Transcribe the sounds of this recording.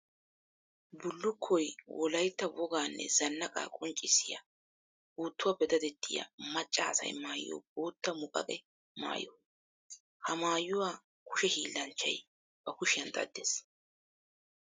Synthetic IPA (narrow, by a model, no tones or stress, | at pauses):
bʊlːʊkʰːɔjwʔɔlɐjt̪ːɐwɔɡaːnːɛ̰zɐnːɐkʼa̰ːkʼɔnt͡ʃʼɪsɪjɐ | buːt̪ːʊwapɛd̪ɐd̪ɛt̪ːɪjɐ̰mɐt͡ʃʼːaːsɐ̰jmaːjːo̰ːb̥oːt̪ːɐmʊkʼɐ̰kʼɛ | ma̰ːjɔ | hɐmaːjːʊwaː | kʊ̥ʃɛhiːlːɐnt͡ʃːɐ̰j | b̥ɐkʊʃɪjɐnd̪ɐ̰d̪ːes